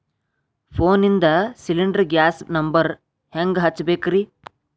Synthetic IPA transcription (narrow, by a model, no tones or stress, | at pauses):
pʰoːnind̪ɐsiliɳɖɐɾɡjaːsnɐmbɐɾ | heŋɡɦɐt͡ʃːbeːkɾi